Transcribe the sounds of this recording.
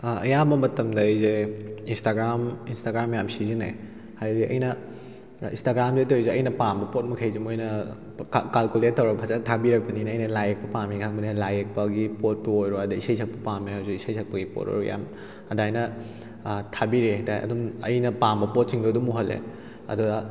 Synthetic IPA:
ɐjabɐmɐtɐmdɐːjzeinstaɡɾaminstaɡɾamːɐjamsizinḛj | hajdiʔɐ̰jnɐ | instaɡɾamzetojzeɐjnɐpambɐpot̚mɐkʰajzimojnɐ | kalkulet̚ːɐwɾɐpʰasatʰabiɾɐk̚pɐninːjnɐlajek̚pɐpamikʰak̚bɐnilajek̚pɐɡipot̚pɐojɾoadɐisajsʰɐk̚pɐpamihawziisɐjsʰɐk̚pɐɡipo̰t̚o̰ɾoja̰m | ɐdajnɐ | tʰabiɾeɦajtajɐ̰dumɐjnɐpambɐpot̚siŋduɐdumuɦɐlːḛ | ɐ̰dɔ

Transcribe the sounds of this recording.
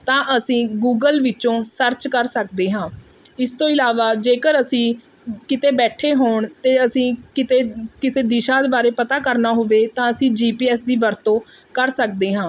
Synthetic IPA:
t̪ãːʔəsĩːɡuːɡəlʋɪt͡ʃõːsəɾt͡ʃkəɾsəkd̪eːɦãː | ɪst̪õːɪlaːʋaːd͡ʒeːkəɾəsĩː | kɪt̪eːbɛːʈʰeːɦoːɳt̪eːəsĩːkɪt̪eːkɪseːd̪ɪʃãːd̪eːbaːɾeːpət̪aːkəɾnaːɦoʋeːt̪ãːəsĩːd͡ʒiːpiːɛːsd̪iːʋəɾt̪õː | kəɾsək̚d̪eːɦãː

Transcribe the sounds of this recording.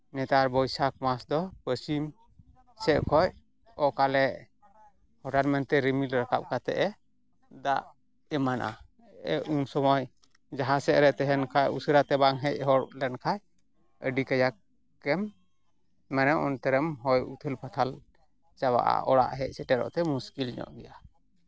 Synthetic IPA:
nɛt̪aɾbɔjsak̚masd̪ɔpəsim | sɛʔkʰɔj̚ | ɔkalɛ | hɔʈaɾmɛnt̪ɛɾimilɾakap̚kat̪ɛ̰ʔɛ | d̪aʔ | ɛmanʔa̰ | ɛunsɔmɔj | d͡ʒaɦãsɛʔɾɛt̪ɛɦɛnkʰajʔusəɾat̪ɛbaŋɦɛc̚hɔɾlɛnkʰaj | əɖikajak | ɛmː | ɛnɛʔɔ̰nt̪ɛɾɛmɦɔjut̪ʰəlpʰat̪ʰal | t͡ʃaβa̰ʔa̰ɔɽa̰ʔɦɛc̚sɛʈɛɾɔ̰ʔt̪ɛmuskilɲɔ̰ʔɡɛja

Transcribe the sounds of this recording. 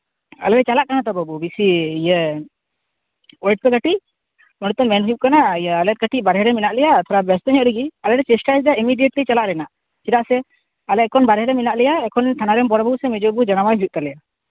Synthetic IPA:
a̰lɛɾɛt͡ʃalaʔkanat̪ɔbɔbubisiijɛ | ɔjʈ̚pɛɡaʈi | ɔñɛt̪ɔmɛnɦujup̚kanaialɛt̪̚ɡaʈiʔbaɾɦɛɾɛminaʔlɛjat̪ʰɔɾabɛst̪ɔɲɔʔɾiɡialɛɾɛt͡ʃɛsʈajsdaimiɖieʈlit͡ʃalaʔɾɛnaʔ | t͡ʃiɾaʔsɛ | alɛt̪̚kɔnbaɾɦɛɾɛminaʔlɛjaɛkʰɔnt̪ʰanaɾɛmbɔɽbausɛmɛd͡ʒɔbud͡ʒanamajɦujuʔ̚t̪alɛja

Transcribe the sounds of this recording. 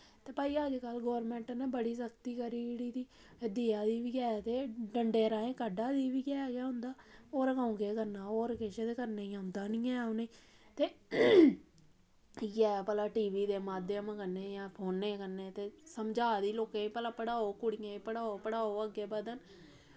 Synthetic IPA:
t̪eːpaːiːəd͡ʒkəlɡoːɾmɛ̃ːɳʈneːbəɽiːsəkt̪iːkəɾiːɽiːt̪iː | d̪iːaːd̪iːʋiːɡɛːat̪eːɖəɳɖeːɾaːẽːkəɖaːd̪iːʋiːɡɛːaːɡɪjaːɦʊ̃nd̪aːoːɾkãːũɡeːkəɾnaːoːɾkeʃed̪eːkəɾneːaʊnd̪aːnĩːɛ̃ːonei | t̪eː | jɛːpəlaːʈiːʋiːd̪eːmaːd̪ːeːəmãːkəɾneːjãːpʰoːnːeːkəɾneːt̪eːsəmd͡ʒaːd̪iːloːkẽːiːpəlaːpəɽaːoːkʊɽɪjãːiːpəɽaːoːpəɽaːoːəɡeːbəd̪ən

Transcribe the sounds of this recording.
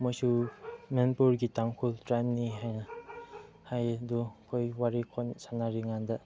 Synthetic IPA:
mɔjsumenpuɾɡitaŋkʰultɾajmniɦajna | hajdukʰɔjwaɾikʰɔnsanaɾiŋanda

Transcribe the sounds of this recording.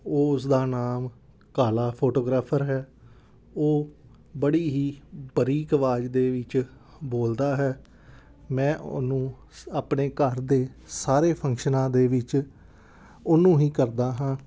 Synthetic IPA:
oːʊsd̪aːnaːm | kaːlaːpʰoːʈoːɡɾaːpʰəɾɦɛː | oː | bəɽiːɦiːbəɾiːkəʋaːd͡ʒd̪eːʋɪt͡ʃ | boːld̪aːɦɛː | mɛ̃ːʔnũː | aːpneːkəɾd̪eːsaːɾeːpʰə̃ŋkʃənãːd̪eːʋɪt͡ʃ | ʊnũːɦiːkəɾd̪aːɦãː

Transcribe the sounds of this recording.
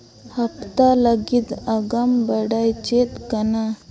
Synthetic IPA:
hɐpt̪aləɡit̪aɡambəɽajt͡ʃet̪kəna

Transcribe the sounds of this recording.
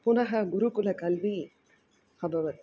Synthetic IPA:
punɐɦɐɡuɾukulɐkɐlʋiː | xɐbɐʋɐt̪ː

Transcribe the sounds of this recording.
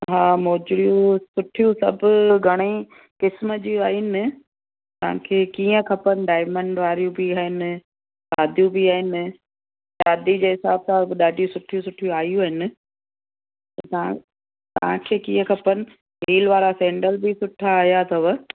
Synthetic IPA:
ɦaːmoːd͡ʑɽijũsʊʈʰijũsɐ̰bʊɡʱɐɽ̃i | kɪsməd͡ʑiaːɦɪnɪ | t̪ɐʋ̤ã̰kʰeːkiːə̃kʰɐpənɪ̆ɖaːɪmə̃ɳɖʋaːɾijũbɪaːɦɪnɪ̆ | saːd̪ʱijũbɪaːɦɪnɪ | ɗaːd̪id͡ʑeːɦɪsaːbsãbɗaːɖʱijũsʊʈʰijũsʊʈʰijũaːjũaːɦɪnɪ̆ | t̪ɐt̪ɐã̰ | t̪ɐʋ̤ãkʰeːkiːə̃kʰɐpənɪ̆ | ɦiːlʋaːɾasɛ̃ːɳɖəlbɪsʊʈʰaːɦijat̪ʰɐʋə

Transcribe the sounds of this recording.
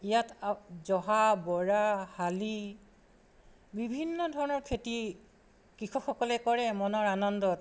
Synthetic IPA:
ijatzɔɦabɔɹahali | bibʱinːɔdʱɔɹɔnɔɹkʰeti | kɹixʰɔkxɔkɔlɛkɔɹɛmɔnɔɹanɔndɔt

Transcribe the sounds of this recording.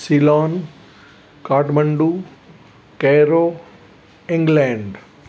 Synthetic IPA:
silaːn | kaːʈməɳɖuː | keːɾoː | ɪ̃ŋɡlɛ̃ːɳɖ

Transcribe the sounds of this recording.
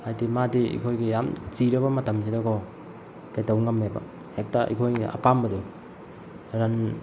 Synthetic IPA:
ajdimadiḭkʰojɡijamziɾɐbɐmɐtɐmsidɐkʰɔ | kajtawŋɐmebɐ̰ | hek̚taʔḭkʰojɐ̰pambɐdu | ɾan

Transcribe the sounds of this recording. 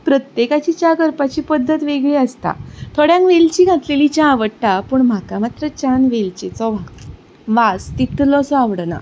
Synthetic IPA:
pɾət̪jekat͡ɕiːt͡ɕaɡəɾpat͡ɕiːpəd̪ʱːət̪ʋeɡɭeəst̪a̰t̪ʰoɽjãŋkʋelt͡ɕiːɡʱat̪lelit͡ɕãʋəɽʈapuːɳm̤akamat̪ɾət͡ɕanʋelt͡ɕet͡sɔʋã | ʋast̪it̪lɔsɔaʋɽna̰

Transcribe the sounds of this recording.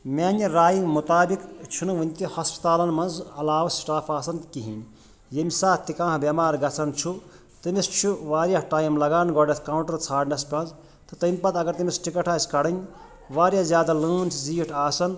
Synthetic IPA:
mʲaːnɐɾaːjimut̪aːbikt͡ʃʰunʋɨnʲt̪ihɐspɐ̥t̪aːlɐnmɐnzɐlaːʋɐsʈaːpʰaːsɐnkiɦḭnʲ | jemisaːt̪ikãːɦbemaːɾɡɐt͡sʰɐnt͡ʃʰu | t̪ɨmist͡ʃʰuʋaːɾjaʈaːjmlɐɡaːnɡɔɖɐt̪ʰkaːwuɳʈɐɾt͡sʰaːʈnɐspɐ̃nz | t̪ɨt̪ɐmʲpɐt̪ɐɡɐɾt̪imisʈikɐʈʰaːskɐɽɐnʲ | ʋaːɾjazjaːd̪aləːnsʰziːʈʰaːsɐn

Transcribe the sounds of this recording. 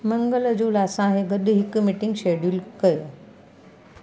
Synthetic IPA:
mɐ̃ŋɡələd͡ʑuːlasãɦeɡɐɗɦɪkmiʈɪ̃ŋɡʃeɖjulkɐjo

